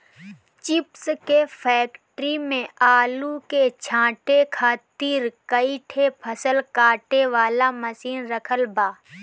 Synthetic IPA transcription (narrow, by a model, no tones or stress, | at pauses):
t͡ʃɪpskepʰɛːkʈɾimẽaːluket͡ʃʰãːʈekʰaːt̪iːɾkəiʈʰepʰəsəlkaːʈeʋaːlamɐsiːnɾəkʰəlbaː